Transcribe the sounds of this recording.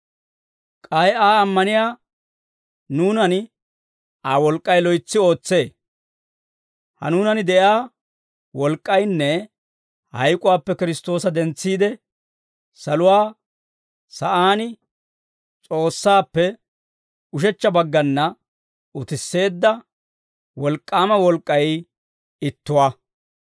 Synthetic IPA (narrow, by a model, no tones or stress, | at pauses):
kʼɐjaːɐmːɐnɪjaː | nuːnɐn | aːwɔlkʼːɐjlɔjt͡sːɪo̞ːt͡sːe̞ː | hɐ̰nuːnɐnɪd̪ɛʔjaː | wɔlkʼːɐjnːɛ | hɐ̰jkʼʊwaːpːɛkɪɾɪst̪o̞ːsɐd̪ɛnt͡sːiːd̪ɛ | sɐlʊwaː | sɐʔaːnɪ | t͡sʼo̞ːsːaːpːɛ | ʊʃ̬ɛt͡ʃːɐbɐɡːɐnːɐ | ʊt̪ɪsːe̞ːd̪ːɐ | wɔlkʼːaːmɐwɔlkʼːɐj | ɪt̪ːʊwaː